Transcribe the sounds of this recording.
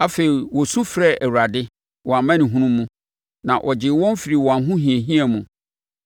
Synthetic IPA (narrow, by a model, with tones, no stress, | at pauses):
a˦fe˨ɾi˨wɔ˨sũ˦fɾɛ˦˨ʔæ˨wu˨ɾa˨dɪ˦ | wɔ˨a˨m˦mã˦nɪ̃˨ɦũ˦nũ˦mːũ˦ | nã˨ʔɔ˨d͡ʑɪ˨˦wɔ̃˦m˦fi˨ɾi˨wɔ̃˨a˨˦ɦʊ̃˦ɦĩ˨e˨ɦĩ˦ɛ˨mũ˨